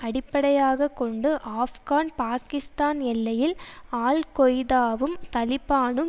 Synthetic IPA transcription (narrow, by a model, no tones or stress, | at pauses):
ɐɽɪpːɐɽɐjaːɣɐkːɔɳɖɯʔaːfɣaːnpaːkɪst̪aːnɛlːɐjɪlaːlkɔjðaːʋɯmt̪ɐlɪpːaːnɯm